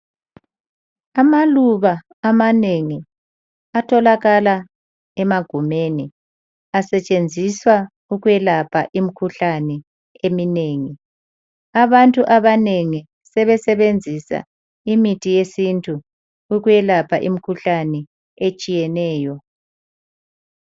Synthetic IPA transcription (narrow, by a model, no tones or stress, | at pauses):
amaluβaː | maneŋi | atʰɔlaɣala | ɛmaɡ̥ʱumeni | asɛt͡ʃʼend͡zʱiswa | uɣujɛlapʰa̰ʔimikʰuɬanɛ | emineːŋi | aβantʼuʔaβaneŋi | sɛβɛsɛβend͡zʱisa̰ | imitʰijesintʼʰu | uɣujɛlapʰaʔḭmikʰuɬanɛ | et͡ʃʼijɛnɛːjɔ